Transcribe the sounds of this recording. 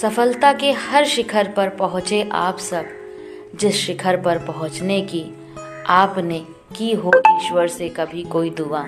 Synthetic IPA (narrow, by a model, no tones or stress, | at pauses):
sɐfəlt̪akehɐɾʃɪkʰəɾpɐɾpɐɦʊ̃t͡ʃeʔa̰ːpsɐb̚ | d͡ʒɪsʃɪkʰəɾpɐɾpɐɦʊ̃t͡ʃneki | aːpne | kiɦoʔiːʃwəɾsekɐbʱikoːid̪uʋaː